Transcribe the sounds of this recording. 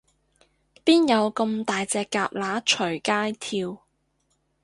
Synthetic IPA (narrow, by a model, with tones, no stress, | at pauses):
piː˥njɐ˨˧wkə˧mt̪aː˨jt͡sɛː˨˧kːaː˧p̚laː˨˥t͡ʃʰɵ˨˩ɥkaː˥jt̪ʰiː˧w